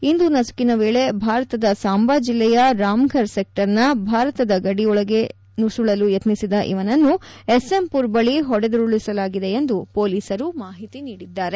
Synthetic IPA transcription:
ind̪unɐsu̥kinɐʋeːɭe̞bʱaːɾɐt̪ɐd̪ɐsaːmbaːd͡ʒilːɛjɐɾaːmɡʱɐɾsek̚ʈɐɾnɐbʱaːɾɐt̪ɐd̪ɐɡɐɽiɔɭɐɡe̞ | nusuɭɐlujɐt̪nisid̪ɐʔḭʋɐnɐnːuesempuːɾbɐɭiɦɔɽed̪uɾuɭisɐlaːɡid̪e̞end̪upo̞ːliːsɐɾumaːɦit̪iniːɽid̪ːaːɾe

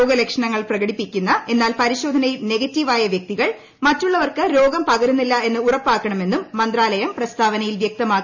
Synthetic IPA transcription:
oːɡɐlekʂɐɳɐŋːɐɭprɐɣɐɽipːikʲːunːɐe̞nːaːlpɐɾiɕo̞ːd̪ʱɐnɐjilne̞ɣɐtːiʋaːjɐʋjɐk̚t̪iɣɐɭ | mɐtːuɭːɐʋɐrkɨɾo̞ːɡɐmpɐɣɐɾunːilːɐe̞nːɨurɐpːaːkːɐɳɐme̞nːumːɐnd̪raːlɐjɐmprɐst̪ʰaːʋɐnɐjilʋjɐk̚t̪ɐmaːkː

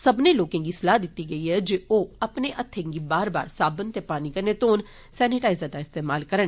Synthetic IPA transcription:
səbnẽːloːkẽːŋɡiːsəlaːd̪ɪt̪ːiːɡəiːɦɛːd͡ʒeoːəpneːʔət̪ʰːẽːŋɡiːbaːɾba̰ːɾsaːbənt̪eːpaːniːkəɾneːt̪oːn | sɛːnɪʈaːɪzəd̪aːɪst̪eːmaːlkəɾəɳ

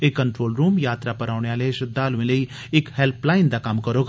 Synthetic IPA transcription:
ekːɐɳʈɾoːlɾuːmjaːt̪ɾapɐɾaːʊɽ̃eaːleʃɐd̪aːluʋẽləi | ɪkhɛlpʰlaːɪnd̪akɐmkɐɾoːɡ

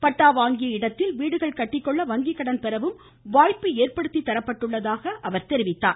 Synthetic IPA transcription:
pɐʈːaːʋaːŋɡɪjɐɪɽɐt̪ːɪlʋiːɽɯɣɐɭkɐʈːɪkːɔɭːɐʋɐŋɡɪkːɐɽɐnpɛɾɐʋɯm | ʋaːjpːɯeːrpɐɽɯt̪ːit̪ːɐɾɐpːɐʈːɯɭːɐðaːɣɐʔɐʋɐɾt̪ɛɾɪʋɪt̪ːa̰ː

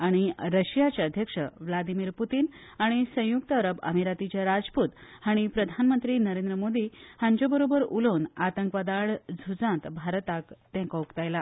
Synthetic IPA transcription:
aɽ̃iɾəɕijat͡ɕjaəd̪ʱjəkʂəʋlad̪imiːɾput̪iːn | aɽ̃isə̃juk̚t̪əəɾəbə̰miɾat̪it͡ɕjaɾad͡zpuːt̪haɽ̃ipɾəd̪ʱanmənt̪ɾiːnəɾẽnd̪ɾəmod̪ihãɲt͡ɕobəɾobəɾuləːnat̪əŋkʋad̪aɭd͡zʱud͡zãt̪bʱaɾt̪akt̪ɛ̃kaukt̪ajla

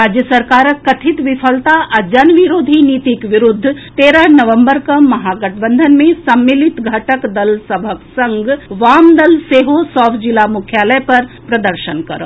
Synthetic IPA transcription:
ɾaːd͡ʒjəsəɾkaːɾəkːɐt̪ʰit̪ʋipʰəlt̪aʔad͡ʒɐnʋiɾoːd̪ʱiniːt̪ikʋiɾʊd̪ʱːt̪eːɾənɐʋəmbəɾkɐmɐɦaːɡəʈʰbənd̪ʱənmẽsɐmːilit̪ɡʱɐʈəkd̪ɐlsəbʱəksɐŋɡʋaːmd̪ɐlseːɦosɔːfʰd͡ʒilamukʰjaːləjpɐɾpɾɐd̪əɾʃənkɐɾo̰

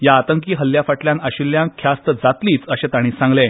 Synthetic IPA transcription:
jaːt̪əŋkiːɦəlːjafaʈljãnaɕiljãŋkʰːjast̪əd͡zat̪liːt͡səɕet̪aɽ̃ĩːsãŋɡle

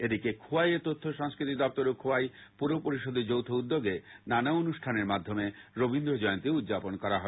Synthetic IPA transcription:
ed̪ikekʰuajet̪ot̪ʰːoʃaŋskɾit̪id̪ɔp̚t̪oɾokʰoajpuɾopoɾiʃod̪ʱed͡ʑowt̪ʰoud̪ːoɡenanaonuʃʈʰaneɾmad̪ʱːomeɾobind̪ɾod͡ʑɔjõnt̪eud̪d͡ʑaponkɔɾaɦɔ

